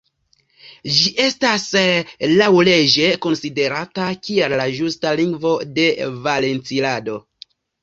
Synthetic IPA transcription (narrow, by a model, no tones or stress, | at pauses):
d͡ʒiʔe̞staslawle̞d͡ʒe̞ko̞nside̞ɾatakiellaʒustaliŋɡvo̞de̞vale̞nt͡silado̞